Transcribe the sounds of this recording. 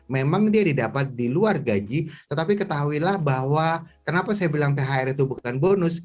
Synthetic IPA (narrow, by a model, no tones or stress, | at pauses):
memaŋdiadidapat̪̚diluarɡad͡ʒit̪ət̪apikət̪aɦuilahbahwakənapasajabilaŋpeɦaɪɾit̪ubukanbonʊs